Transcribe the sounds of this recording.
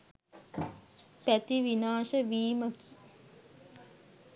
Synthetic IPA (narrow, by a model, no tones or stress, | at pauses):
pæt̪iʋinaːʃəʋiːməki̥